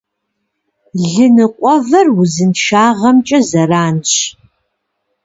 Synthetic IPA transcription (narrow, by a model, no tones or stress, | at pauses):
ɮɨnɨqʷʼɔvɐrwʊzɨnʃaːʁɐmt͡ʃʼɐzɐraːnɕ